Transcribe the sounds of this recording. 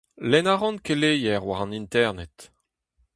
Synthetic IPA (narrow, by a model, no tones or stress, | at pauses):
lɛnaʁɔ̃nkelejɛʁwaʁɑ̃nint̪ɛʁnɛt̪